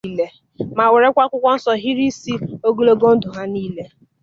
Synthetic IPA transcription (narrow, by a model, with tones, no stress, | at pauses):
le˦ | ma˨we˨ɾe˦kʷa˦kʷʊ˦kʷɔ˦n̩˦sɔ˨ɦi˦ɾi˦si˦o˦ɡu˦lo˦ɡo˦n̩˦dʊ˨ɦa˦niː˦le˦